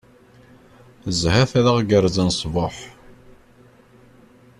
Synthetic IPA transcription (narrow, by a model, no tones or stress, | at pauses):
zhæθæðaʁɡəɾzənsˤvʊħ